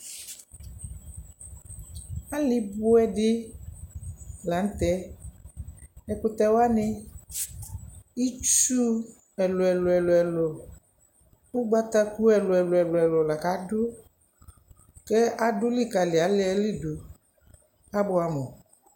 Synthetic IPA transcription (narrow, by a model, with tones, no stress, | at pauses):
a˦lɪ˦bʊ˦ɛ˦dɪ˦ | la˨˦n̩˦t̪ɛ˦ | ɛ˨kʊ˨t̪ɛ˨wa˦nɪ˦ | i˦t͡ʃu˦ | ɛ˨lʊ˨ɛ˨lɔ˨ɛ˨lɔ˨ɛ˨lɔ˨ | ʊ˦ɡ͡ba˦t̪a˦ku˦ɛ˨lʊ˨ɛ˨lʊ˨ɛ˨lʊ˨ɛ˨lɔ˨la˨ka˨˦dʊ˦ | kɛ˦a˦dʊ˦lɪ˦˨ka˨lɪ˨a˨˦lɪ˦ɛ˦lɪ˦dʊ˨ | a˦bʊ˦a˨mɔ˨